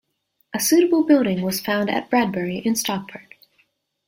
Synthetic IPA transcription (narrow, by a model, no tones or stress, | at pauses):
ʔəsʉɾəbl̩ˠbɪlˠɾɪ̃ŋwʌz̥fãʊ̃ndɨ̰t̚b̥ɹæd̚bɛɹiʔɨ̃nstɑk̚bʰə˞k